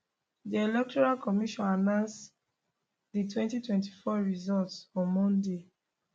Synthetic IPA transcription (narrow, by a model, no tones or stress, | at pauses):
dielɛk̚tɔɹalkɔmiʃɔ̃nanãns | ditwɛ̃ntitwɛ̃nti̥fɔɹizɔltsɔ̃nmɔ̃nde